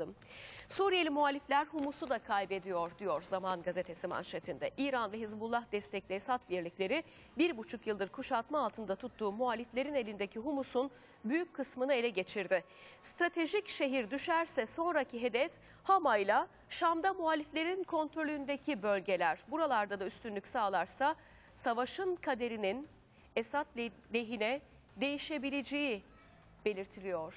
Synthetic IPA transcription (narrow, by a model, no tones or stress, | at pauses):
ɯm | suːɾijelʲimuɦalʲiflʲæɾhumusud̪akʰajbe̞d̪ijo̞ɾd̪ijo̞ɾzamanɡazet̪ʰe̞sima̰nʃet̪ʰind̪ɛʔiːɾanvɛɦizbulˠːahd̪ɛst̪ʰɛclʲesat̪viɾlʲiclʲe̞ɾɪ | biɾbut͡ʃʰukjɯlˠd̪ɯɾkʰuʃalˠt̪maːlˠt̪ʰɯnd̪at̪ʰut̪ʰːuːmuɦalʲːiflʲe̞ɾine̞lʲind̪ecʰiɦumusun | byjycʲkʰːɯsmɯnɯe̞lʲɛɟe̞t͡ʃʰiɾd̪ɪ | st̪ɾat̪ʰe̞ʒicʃe̞ɦiɾd̪yʃæɾsɛso̞nɾacʰiɦe̞d̪ɛf | hamajlʲˠa | ʃamd̪amualʲːiflʲe̞ɾinkʰo̞nt̪ɾo̞lʲyynd̪e̞cʰibø̞lʲɟe̞lʲæɾ̥buɾalˠaɾd̪ad̪ayst̪ynlʲycʲsaːlˠaɾsa | savaʃɯnkʰad̪e̞ɾinin | esat̪l | lʲe̞ɦinɛ | d̪e̞jiʃe̞bilʲed͡ʒeji | b̥e̞lʲiɾt̪ʰilʲijo̞ɾ̥